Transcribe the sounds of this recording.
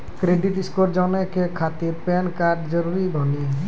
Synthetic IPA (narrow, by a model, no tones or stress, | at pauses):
kɾeɖiʈiskoɾd͡ʒawnakekʰat̪iɾpɛnkaɾɖd͡ʒəɾuɾibʱɔni